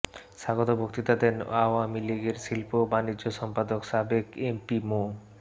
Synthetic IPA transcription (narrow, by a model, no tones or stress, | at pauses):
ʃaɡot̪obʱokt̪it̪ad̪enaoamiliɡeɾʃilpobanid͡ʑoʃɔmpad̪okʃabekempimo